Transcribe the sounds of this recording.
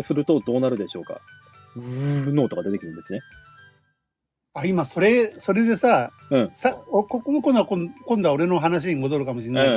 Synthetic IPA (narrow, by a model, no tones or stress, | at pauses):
sɨɾɯ̟t̪o̞d̪o̞ːnaɾɯ̟d̪e̞ɕo̞ːka̰ | no̞ːt̪o̞ɡad̪e̞t̪ekiɾɯ̟nd̪esɨne | aimaso̞ɾe̞so̞ɾe̞d̪e̞sa | ɯ̟̃ɴsaokokonokõ̞nd̪aõkõnd̪ao̞ɾe̞no̞ɦanaɕ̬iɡo̞zo̞ɾɯ̟kamo̞ɕinːa